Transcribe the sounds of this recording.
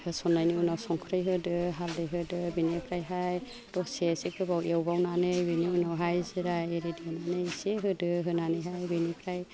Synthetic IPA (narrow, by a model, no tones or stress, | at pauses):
hɯsɔnajniunawsɔŋkʰɾɯjɦɯdɯɦaldɯjɦɯdɯbinepʰɾajɦaj | d̥ɔsesikɯbawʔewbawnanɯjbiniunawɦajzɯɾajeɾediwnanɯjseɦɯdɯɦɯnanɯjɦajbinipʰɾaj